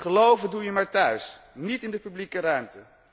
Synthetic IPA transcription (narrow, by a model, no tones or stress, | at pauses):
χəlowvədujəmaːɹtœɥs | nitɪndəpyblikəɾœɥmtə